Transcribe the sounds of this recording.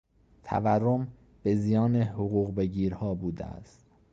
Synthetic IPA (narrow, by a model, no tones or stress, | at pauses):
t̪ʰæ̰værːom | b̥e̞zijɒːnehoɣuːɣbeɟiːɾhɒːbuːd̪ḛæ̰st̪̚